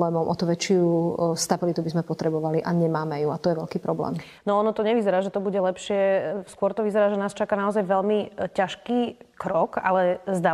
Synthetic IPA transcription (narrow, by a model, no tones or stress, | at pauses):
ɛːmɔmʔɔt̪uʋɛt͡ʃɪust̪abilit̪ubizmɛpɔt̪ɾɛbɔʋaliʔaɲɛmaːmɛjuat̪ɔjɛʋɛʎkiːpɾɔblɛ̰ːm | nɔɔnɔt̪ɔɲɛʋizɛɾaːʒɛt̪ɔbuɟɛlɛpʃɪɛskʊɔɾt̪ɔʋizɛɾaːʒɛnaːst͡ʃakanaɔzajʋɛʎmicaʃkiːkɾɔka̰lɛzd̪a